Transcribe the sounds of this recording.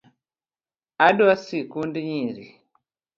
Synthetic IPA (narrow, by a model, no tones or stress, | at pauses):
aɗuwasikundiɲiɾi